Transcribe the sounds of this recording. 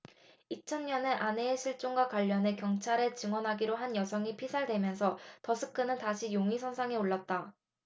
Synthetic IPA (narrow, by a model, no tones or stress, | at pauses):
it͡ɕʰʌnɲʌne̞ʔane̞ːɕʰiɭt͡ɕ͈oŋɡwakwaʎːʌne̞kjʌŋt͡ɕʰaɾe̞t͡ɕɯŋwʌnɦaɡiɾoɦanjʌsʰʌŋipʰisʰaɭdwe̞mjʌns̬ʰʌtʌsʰɯk͈ʰːɯnɯntaɕʰijoŋisʰʌnsʰaŋe̞oɭːat̚t͈a